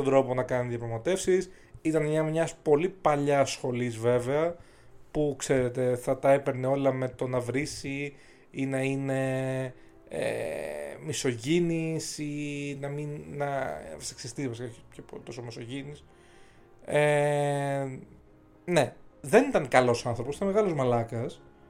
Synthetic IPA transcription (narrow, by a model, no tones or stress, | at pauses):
t̪od̪ɾo̞po̞nɐkɐniðijɐpɾɐɣmɐt̪e̞fsis | it̪ɐnɲɐmɲɐspo̞lipɐʎɐsxo̞lizve̞veɐ | pukse̞ɾe̞t̪e̞θɐt̪ɐepeɾneo̞lɐme̞t̪o̞nɐvɾisi | inɐine̞ | ḛmiso̞ʝinisinɐminːɐfseksist̪ivɐs̬ikɐçcepot̪o̞somiso̞ʝinis | e | ne̞ðe̞nit̪ɐnkɐlo̞sɐnθɾoposit̪ɐnmeɣɐlozmɐlɐkɐs